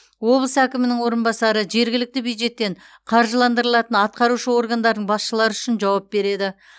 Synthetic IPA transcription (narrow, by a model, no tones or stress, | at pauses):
wo̞blˠəsækʲɪmɪnɪŋwo̞ɾənbɑsɑɾəʒe̞ɾɡʲɪlɪk̚t̪ɪbjujd̪ʒe̞t̪ːe̞ɴ | qʰɑɾʒəlˠɑnd̪əɾəlˠɑt̪ənɑt̪̚qɑɾuʃəwo̞ɾɡand̪ɑɾd̪əɴbɑsʃəlˠɑɾəʏʃɪnʒɑwɑp̚be̞ɾe̞d̪ɪ